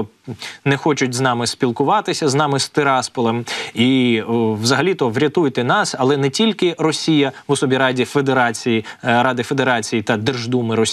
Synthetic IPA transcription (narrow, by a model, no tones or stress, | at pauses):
nɛxɔt͡ʃʊtʲznɑmɪspʲilˠkʊʋɑt̪ɪsʲɐznɑmɪst̪ɪɾɑspɔlˠemiʋzɐɦɐlʲit̪ɔʋɾʲɐt̪ujt̪ɛnɑsɐlˠɛnɛtʲilʲkɪrɔsʲijɐʋɔsɔbʲiɾɑdʲifed̪eɾɑt͡sʲijiɾɑd̪ɪfed̪eɾɑt͡sʲijit̪ɐd̪ɛrʒd̪umɪɾɔsʲ